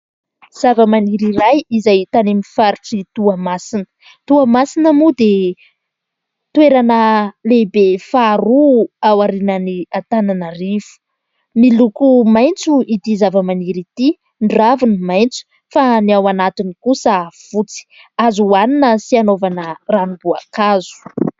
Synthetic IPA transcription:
z̥avəmaniɾiɾajizajt̪anemifaɾuʈ͡ʂit̪uamasinə̥ | t̪uamasinəmud̪e | t̪weɾanəlebefaɾuawaɾinəniat̪ananarifu̥ | milukumajnt͡suit̪izavəmaniɾit̪i | ɳɖ͡ʐavinimajnt͡su̥ | faniawanat̪inikusəv̥ut͡si̥ | azuwaninəsianovanəranubuakazu̥

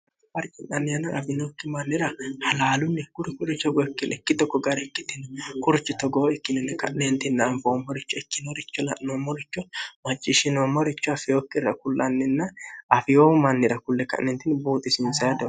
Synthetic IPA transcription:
fɐɾt͡ʃʼɪnɐnːɪjɐnɐʔɐfɪnokːɪmɐnːɪɾɐhɐlaːlʊnːɛkʊɾɪkʊɾɪt͡ʃːɔɡɔɛkːɪnɛkːɪd̪ɔkːɔɡɐɾɛkːɪt̪ːɪnɛkʊɾɪt͡ʃːɪt̪ɔɡoɛkːɪnɛnːɛkɐ̰ʔnent̪ɪnːmfoːmːɔɾɪt͡ʃːɔɛkːɪnoɾɪt͡ʃːɔlɐ̰ʔnomɔɾɪt͡ʃːɔmɐt͡ʃʼːɪʃɪnomɔɾɪt͡ʃːɔɐfɪjoːkːɪrɐkʊlːɐnːɪnːɐɐfɪjoːmɐnːɪɾɐkʊlːɛkɐ̰ʔːɛnt̪ɪnbuːt̪ʼːɪsɪnsɐjɐd̪ɔ

